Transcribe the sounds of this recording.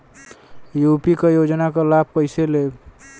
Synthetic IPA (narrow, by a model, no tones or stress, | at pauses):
jupikejod͡ʒnakɔlab̚ʱkəjsele